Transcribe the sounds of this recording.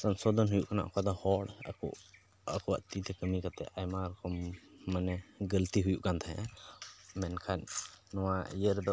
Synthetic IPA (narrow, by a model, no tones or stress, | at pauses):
sansɔd̪ʱɔnɦujuʔkana̰ʔkad̪ɔhɔɽa̰kɔ̰ | akɔwa̰ʔt̪it̪ɛkəmikat̪ɛ̰ʔajmaɾɔkɔmːanɛɡəlt̪iɦujuʔkant̪ʰaja̰ | mɛnkʰanːɔwajəɾd̪ɔ